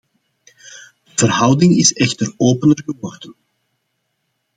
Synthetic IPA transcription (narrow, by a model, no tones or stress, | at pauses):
dəvərɦʌwdɪŋɪsɛxtəroːpənərɣəʋɔrdən